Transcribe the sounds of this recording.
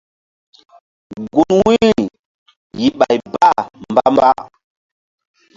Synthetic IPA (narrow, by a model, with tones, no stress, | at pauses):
ɡu˨nwi˦˨ | ji˨ɓa˨jba˦mba˦mba˦